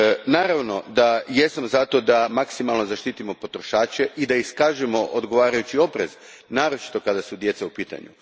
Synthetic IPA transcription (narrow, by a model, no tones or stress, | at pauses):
naːɾaʋno̞d̪ajesamzat̪o̞d̪amaksimalno̞zaʃt̪iːt̪imo̞po̞t̪ɾo̞ʃaːt͡ɕeʔid̪aiskaːʒemo̞ʔod̪ɡo̞ʋaːɾajut͡ɕio̞pɾe̞z̥ | naːɾo̞t͡ʃi̥t̪o̞kad̪asud̪je̞t̪seupiːt̪a̰ɲṵ